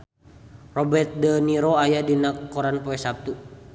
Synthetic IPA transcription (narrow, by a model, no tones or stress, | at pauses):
rɔbɛt̪̚dəniɾoajadinakɔɾanpoɛsap̚t̪u